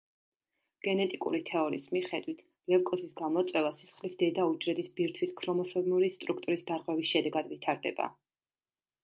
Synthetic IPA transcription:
ɡ̥ɛnɛt̪ʼikʼṵɾit̪ʰɛɔɾḭsmiχɛd̪wit̪ʰ | lɛlkʼɔsisɡamɔt̪sʼwɛvasisχlisd̪ɛd̪aud͡ʒɾɛd̪isbiɾt̪ʰwiskʰɾɔmɔsɔnuɾist̪ʼɾukʰt̪ʼuɾisd̪aɾʁwɛvisʃɛd̪ɛɡad̪vit̪ʰaɾd̪ɛ̰ba̰

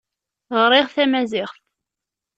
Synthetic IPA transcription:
ʁɾˤɪʁθæmæzɪʁθ

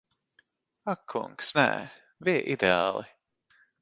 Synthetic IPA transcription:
akʰːṵŋksnɛ̰ | viːʔid̪ea̰ːlˠi

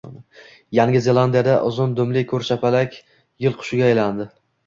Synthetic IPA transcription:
jaŋɡʲɪze̞lˠand̪ijad̪aʔʊzʊnd̪ɵmlɪkʰɵɾʃapalakʲ | jɪlˠqʰʊ̥ʃɪɡʲaːjland̪ɪ

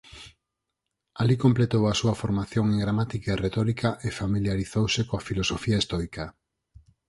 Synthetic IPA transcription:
alikomplet̪owasuɐfoɾmaθjoŋeŋɡɾamat̪ikaeret̪ɔɾikaʔefamiljaɾiθowsekoafilosofiaist̪ɔjka

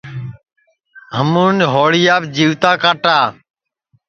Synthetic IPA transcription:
ɦəmuːnɦoːɽɪjaːbd͡ʒiːʋt̪aːkaːʈaː

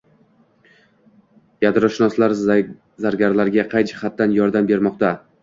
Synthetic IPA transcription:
jad̪ɾɒʃɪnɒslaɾ | zaɾɡʲaɾlaɾɡʲaqʰɑjd͡ʒɪχat̪̚ːanjɒɾd̪ambe̞ɾmɒq̚t̪a

